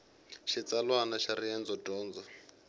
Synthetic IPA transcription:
ʃit͡salwanaʃaɾiɛnd͡zɔdɔːnd͡zɔ

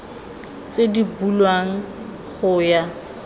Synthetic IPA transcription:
t͡sʼedibulwaŋ̩ | χʊja

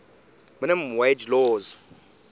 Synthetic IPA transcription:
mənɛmwed͡ʒlɔːz

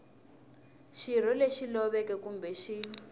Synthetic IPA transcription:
ʃir̤ɔleʃilɔβɛkɛkumbʱɛʃi

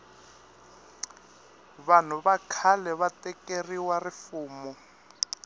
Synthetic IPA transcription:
βan̤ʊβakʰalɛβatɛkeriwarɪfuːmɔ

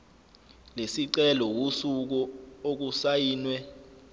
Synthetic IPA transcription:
lesiǀɛlɔwusuk̬ɔok̬usajiːnwɛ

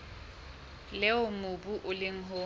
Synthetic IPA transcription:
lɛʊmʊbuʔʊlɪŋ̩ɦʊ

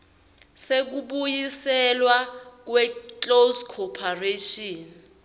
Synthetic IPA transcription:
sek̬uɓujisɛlwak̬wɛkoskʰɔpʰareʃɔːn

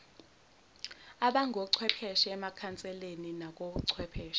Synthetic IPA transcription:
aɓaŋʱoǀʰwɛpʰɛʃiɛmakʰant͡sʼɛleninak̬ʼoɓuǀʰwɛpʰɛːʃi̥

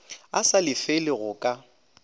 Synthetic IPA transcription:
asalɪfɪlɪɣʊkʼa

